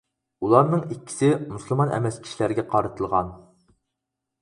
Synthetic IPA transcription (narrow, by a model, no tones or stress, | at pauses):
ulˠɑɾnɨŋikʲːi̥sɪmusɨlˠmɑnʔɛ̰mɛskʲʰi̥ʃilæɾɡʲɛqʰɑɾɨt̪ʰɨlˠʁɑ̰n